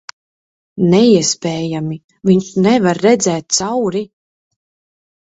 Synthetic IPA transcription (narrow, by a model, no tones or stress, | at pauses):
nɛiɛspɛːjami | viɲʃnɛvaɾːɛd̪zɛːt̪̚t̪sawɾi